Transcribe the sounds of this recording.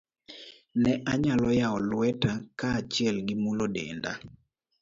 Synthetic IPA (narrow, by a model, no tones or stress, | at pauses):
nɛʔaɲalɔjaɔlwɛtakaːt͡ʃɪɛlɡɪmulodḛnda̰